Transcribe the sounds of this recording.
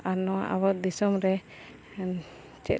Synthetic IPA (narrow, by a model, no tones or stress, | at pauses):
aɾnɔwa̰ʔa̰wɔt̚d̪isɔmɾɛ | t͡ʃɛ̰